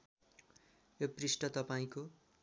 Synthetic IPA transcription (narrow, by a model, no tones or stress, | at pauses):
joprisʈʌt̪ʌpaĩko